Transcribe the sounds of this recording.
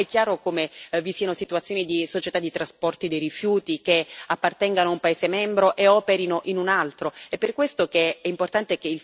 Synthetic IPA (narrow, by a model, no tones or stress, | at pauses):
ɛkːjaːɾokomevisiːanosit̪uat̪sːjoːnid̪isot͡ʃet̪ad̪it̪ɾaspɔrt̪id̪ejɾifjuːt̪ikeapːart̪ɛŋɡanoaumpaeːzemɛmbɾoʔeɔːpeɾinoʔinunalt̪ɾoɛpːerkwest̪okeɛimport̪ant̪ekeil